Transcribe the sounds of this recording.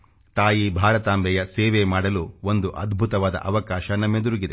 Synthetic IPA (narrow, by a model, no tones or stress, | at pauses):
t̪aːjibʱaːɾɐt̪aːmbʱɛjɐsɛːʋemaːɽɐluo̞nd̪uʔɐd̪bʱut̪ɐʋaːd̪ɐ̰ʔɐʋɐkaːʃɐnɐmːed̪uɾuɡid̪e